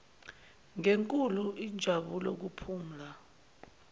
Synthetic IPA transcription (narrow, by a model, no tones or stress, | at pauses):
ŋeŋkʼuluidd͡ʒʱaɓulok̬upʰuːm̩la